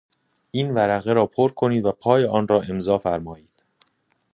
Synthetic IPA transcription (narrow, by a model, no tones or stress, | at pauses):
ʔiːnvæɾæɣeɾɒːpʰoɾkʰo̞niːd̪væpʰɒːjeɒːnɾɒːʔe̞mzɒːfæɾmɒːjiːd̪̥